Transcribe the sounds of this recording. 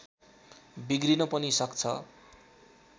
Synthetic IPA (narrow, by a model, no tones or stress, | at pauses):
biɡrinʌpʌnisʌkt͡sʰʌ̰